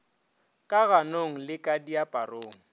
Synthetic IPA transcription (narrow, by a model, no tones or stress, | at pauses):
kʼaɣanoŋ̩lɪkʼadiapʼaroːŋ̩